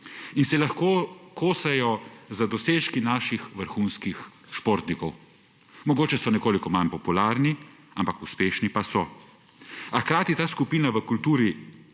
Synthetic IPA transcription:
insɛlaxkoːkʰoːsɛjɔzad̪ɔseːʃkinaːʃixʋəɾxuːnskixʃpoɾt̪nikɔw | mɔɡoːt͡ʃɛsɔnɛkoːlikɔmanpɔpulaːɾni | ampakuspeːʃnipasɔ | axkɾaːt̪it̪aːskupiːnaʋəkult̪uːɾi

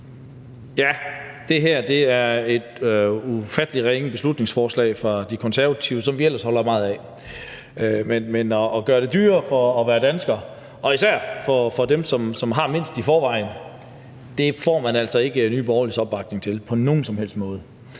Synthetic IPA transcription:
jæd̥e̝ɦæɐ̰d̥e̝æɐe̝d̥ufæd̥əliʁeŋəb̥e̝slud̥ne̝ŋsfɒːslɛ̰ɪfʁɑ̈d̥ikʰɒnsæɐʋæt͡sʰiʊsɒ̽mʋiel̰ɐshɒ̽lɐmɑ̈ːð̞̩ˠɛ | menmenɒʔːɡ̥ɶːɐɾ̥e̝d̥yːɐfɒ̽ːʋæːɐd̥ænsɡ̥ɐː | ɒ̽isæɐ̰fɒ̽fɒ̽d̥emsɒ̽msɒ̽mɦɑ̈me̝n̰sd̥ifɒːʋɑ̈ɪn | d̥efɒ̰ːmænæl̰sɒ̽e̝ɡ̥əny̰ːb̥ɒʊɐlisɒ̽b̥ɑ̈ɡ̥̚ne̝ŋt͡sʰe̝lpʰɒ̽no̝ːn̩sɒ̽mhel̰sd̥mɔ̽ːð̞̩ˠ

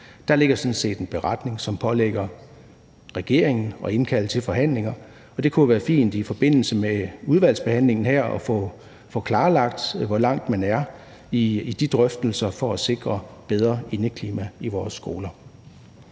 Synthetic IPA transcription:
d̥ɑ̈le̝ɡ̥ɐsɒ̽n̩se̝̰ːd̥enb̥e̝ʁɑd̥ne̝ŋsɒ̽mpʰɒ̽leɡ̥ɐ | ʁɛɡ̥e̝̰ɐ̰eŋn̩ɒ̽e̝nkʰæl̰t͡sʰe̝lfɒ̽ɦæn̰le̝ŋɐ | ɒ̽d̥e̝kʰuʋæːɐfḭːnd̥ifɒ̽b̥e̝n̰l̩səmeuð̞ˠʋæl̰sb̥e̝hæn̰le̝ŋn̩ɦæɐ̰ɒ̽fɔ | fɒ̽kʰlɑ̈ːlɑ̈ɡ̥̚d̥ʋɒ̽lɑ̈ŋ̰d̥mænæɐ | id̥id̥ʁœfd̥l̩sɐfɒ̽æse̝ɡ̥ʁɐb̥eð̞ˠʁɐe̝nəkʰliːmæiʋɒːsːɡ̥o̝ːlɐ

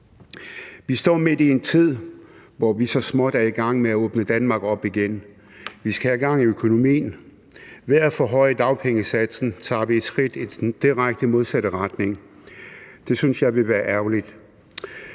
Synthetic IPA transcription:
ʋisd̥ɒ̰ːme̝d̥ie̝nt͡sʰið̞̰ˠʋɒʋisɒ̽smɒ̽d̥æɐiɡ̥ɑ̈ŋ̰meæɔːb̥nəd̥ænmɑ̈ːɡ̥ɒ̽b̥iɡ̥en | ʋisɡ̥æhæɡ̥ɑ̈ŋ̰iøkʰo̝no̝mḭːn | ʋeæfɒɦɒ̽ɪəd̥ɑ̈ʊpʰeŋəsæd̥sn̩t͡sʰɑ̰̈ːʋied̥sɡ̥ʁid̥i̥d̥iʁaɡ̥̚d̥əmo̝ð̞ˠsæɾ̥əʁɑd̥ne̝ŋ | d̥e̝synsjɑ̈ɪʋe̝ʋæːɐʔæɐʊlid̥

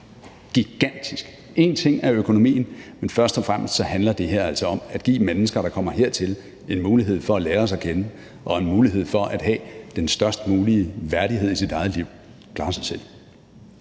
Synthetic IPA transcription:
ɡ̥iɡ̥æn̰d̥isɡ̥ | e̝nt͡sʰe̝ŋ̰æɐøkʰo̝no̝mḭːn̩menfɶɐsd̥ɒ̽fʁam̰sd̥sɒ̽hænlɐd̥e̝ɦeɐ̰æl̰sɒ̽ɒ̽mæd̥ɡ̥ḭːmenəsɡ̥ɐɾ̥ɑ̈kʰɒ̽m̰ɐɦe̝ɐ̰t͡sʰe̝l | e̝nmuːliɦe̝ð̞̰ˠfɒ̽æleːɐɒsækʰenə | ʔɒ̽e̝nmuːliɦe̝ð̞̰ˠfɒ̽ʔæd̥ɦɛ̰ːd̥ensd̥ɶɐsd̥əmuːliəʋæɐɾ̥iɦe̝ð̰ˠisid̥ɑ̈ɪð̞̩ˠliʊ̰ | kʰlɑ̈ːsɑ̈ɪsel̰

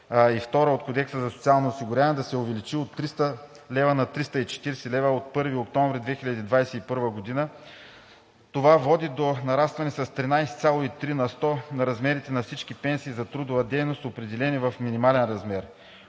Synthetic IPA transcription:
ift̪ɔɾəot̪̚kod̪ɛksəzɐso̥t̪sialˠnoːsiɡʊɾʲaɐnɛd̪ɐsɛovɛlit͡ʃiot̪ːɾist̪ə | lɛvənɐt̪ɾist̪əit͡ʃɛ̥t̪iɾsɛlɛvəot̪̚pɤɾviokt̪ɔ̃ɱvɾid̪vɛxilʲɐd̪iːd̪vajsɛipɤɾvəɡod̪inə | t̪ovavɔd̪id̪onɐɾast̪vɐnɛsɐst̪ɾinajsɛt̪sʲalˠoit̪ɾinɐst̪ɔnɐɾɐzmɛɾit̪ɛnɐfsit͡ʃkipɛnsiːzɐt̪ɾud̪ʊvɐd̪ɛjnost̪opɾɛd̪ɛlɛnivɐfminimalɛnɾɐzmɛɾ

